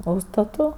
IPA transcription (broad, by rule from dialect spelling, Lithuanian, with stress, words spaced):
ˈuːʃstɐtʊ